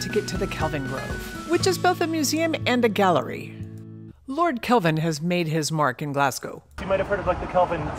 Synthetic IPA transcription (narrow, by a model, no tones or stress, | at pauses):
tʰɨɡɛtʰɨðɨkʰɛlˠvɨ̃nɡɹo̰ʊv̥wɨt͡ʃɨzboʊθɨmjʉziɨ̃mɨ̃nðɨɡælˠə̰˞ḭ | lɔɹd̚kʰɛlˠvɨ̃nɨzmeɪd̚ɪzmɑɹkɨ̃nɡlæsɡ̥oʊimaɪɾɨv̥hɜ˞ɾʌvlaɪk̚ðɨkʰɛlˠvɨ̃n